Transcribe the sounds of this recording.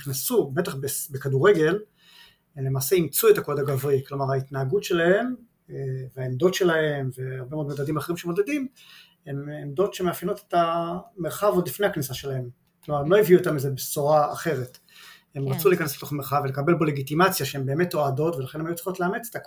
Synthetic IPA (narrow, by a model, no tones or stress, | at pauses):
χnasube̞taχbesbekaduʁe̞ɡe̞l | emlemaːse̞imt͡suetakodaɡavʁiklomaʁait̪naːɡutʃe̞lahe̞m | veaemdo̞tʃe̞lahe̞mve̞aʁbemood̪mod̪adimaχeʁimʃemo̞ded̪im | ememd̪o̞tʃemeafjenote̥tameʁχavodifne̞aknisaʃe̞lahe̞m | klomaʁemlo̞jiviuot̪amizebesoʁaːχe̞ʁet | e̞mʁat͡suleikanesb̥eto̞me̞ʁχavelekabe̞lbo̞le̞ɡitimat͡sjaʃehembe̞ːme̞toado̞tvelaχe̞nemajut͡si̥χotleamet͡se̥t̪ak